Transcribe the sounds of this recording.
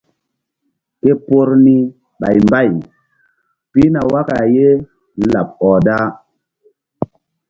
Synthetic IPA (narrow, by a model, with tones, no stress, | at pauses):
ke˦po˦ɾni˦ | ɓa̰˨jmba˦˨j | pi˦na˨wa˦ka˨je˦ | la˨p̚ɔ˨da˦